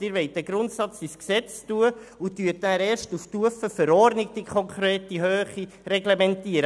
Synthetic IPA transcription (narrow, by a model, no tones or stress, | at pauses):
ɪːɾʋɛt̚dæɡ̥ɾʊntsɑt͡sisksɛt͡stuəutyətːæːɾɛːʃtuftuəfəfəɾɔrdnɪɡ̚d̥ikʰχɔŋkʰɾɛːtiɦøːχi | rɛɡlemɛntiəɾə